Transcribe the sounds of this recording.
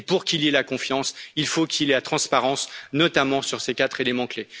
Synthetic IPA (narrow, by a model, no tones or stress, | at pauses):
puʁkʲilelakɔ̃fjɑ̃silfokʲʰileat̪χɑ̃spaʁɑ̃snɔt̪amɑ̃syʁsekat̪χelemɑ̃kle